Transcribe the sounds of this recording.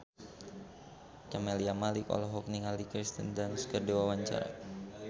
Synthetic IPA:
t͡ʃamɛliamalikɔ̰lɔɦɔk̚niŋalikɾist̪əndanskərdewawaɲt͡ʃa̰ɾa̰

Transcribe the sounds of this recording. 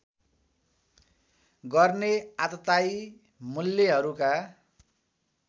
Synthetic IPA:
ɡʌrneat̪ʌt̪aj | mulːeɦʌɾuka

